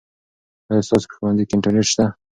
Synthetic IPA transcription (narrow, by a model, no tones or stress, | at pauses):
ajst̪ɑso̥pə̥xwand̪ikeɪɳʈaɾneʈʃt̪a